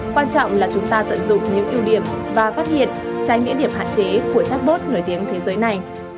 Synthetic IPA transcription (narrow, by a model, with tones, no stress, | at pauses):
kwaː˧nt͡ɕɔ̰˧˨wŋ͡mlaː˨˩t͡ɕʊ˨˦ŋ͡mt̪aː˧t̪ə̰˧˨nzʊ̰˨˧˨ŋ͡mɲɨ̰˧˥ŋʔi˧əwɗi˧˩əmvaː˨˩faː˦˥t̚hḭ˧˨ənt͡ɕa˨˦jŋɲḭ˧˥ɗi˧˩əmhɦa̰ː˧˨nt͡ɕe˨˦ku˧˩ət͡ɕaː˦˥k̚mo˦˥t̚no˧˩jt̪i˨˦əŋt̪ʰe˨˦zəː˨˦jna˨˩j